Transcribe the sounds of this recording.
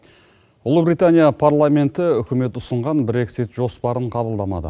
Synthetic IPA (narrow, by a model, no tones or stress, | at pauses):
ʊlˠubɾijt̪anʲijapʰaɾlˠame̞nt̪ɪʏkʲɪme̞t̪ʊsəɴʁɑnbɾe̞ksit̪ʒ̥o̞spɑɾəɴqʰɑbəlˠd̪ɑmɑ̰d̪ə̰